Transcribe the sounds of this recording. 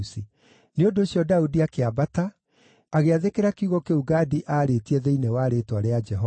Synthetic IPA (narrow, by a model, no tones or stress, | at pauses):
si | neondoːɕjɔdaudiakeabata | aɣeaðekeɾakiuɣɔkeuɡaːdiʔaːɾetiɛðeinewaːɾetwaɾead͡ʒɛɦɔ